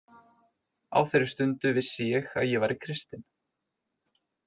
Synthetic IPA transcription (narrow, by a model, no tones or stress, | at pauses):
a̰ːwθejɾɪ̥st̪ʏnt̪ʏvɪðsjːɛɣa̰ðjɛvaɾɪkʰɾɪst̪ɪn